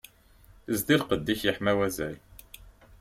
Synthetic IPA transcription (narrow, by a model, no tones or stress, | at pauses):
zd̪iɾqəd̪ːiçjəħmæwæzæl